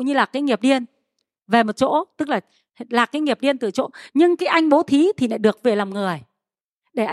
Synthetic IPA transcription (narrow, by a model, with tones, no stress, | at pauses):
wɲɨ˧laː˨˩kaː˨˦ŋi˨˩əp̚ɗi˧ən | ve˨˩mo˨˩t̚t͡ɕo̰˧˥t̪ɨ˦˥k̚laː˨˩ | laː˨˩kːaː˨˦jŋi˨˩əp̚ɗi˧ənt̪ɨ̰˧˩t͡ɕo̰˧˥ɲɨ˧ŋkaː˨˦jʔa˧jŋ̟ɓo˨˦t̪ʰi˨˦t̪ʰi˨˩na̰˧˥ɗɨ˨˩ək̚ve˨˩laː˨˩ŋ͡mŋɨ˨˩əj | ɗe˧˩ʔ